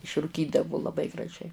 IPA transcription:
ɪʃrʊˈkʲiːdɐʋʊ lˠɐˈbɐɪ ɡrɐˈʒʲɛɪ

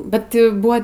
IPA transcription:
ˈbʲɛt jɛʊ ˈbʊɐ

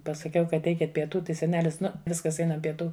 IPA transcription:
pɐsɐˈkʲɛʊ ˈkɐt ˈɛɪkʲɪt pʲiɛˈtuː ˈtɐɪ sʲɛˈnʲæːlʲɪs ˈnʊ ˈʋʲɪskɐs ˈɛɪnɐm pʲiɛˈtuː

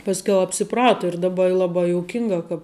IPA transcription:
pɐsʲˈkʲɛʊ ɐpʲsʲɪˈprɑːtoː ɪr dɐˈbɐ ɪ lˠɐˈbɐɪ joːʊˈkʲɪŋɡɐ kɐp

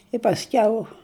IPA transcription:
ɪ pɐsʲˈkʲɛʊ

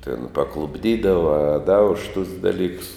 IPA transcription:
tʲɪn pɐklˠʊbʲˈdʲiːdɐʋɐ ɐ dɐ ʊʃ tʊs dɐˈlʲiːks

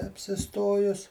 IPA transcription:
ɐpʲsʲɪˈstoːjʊs

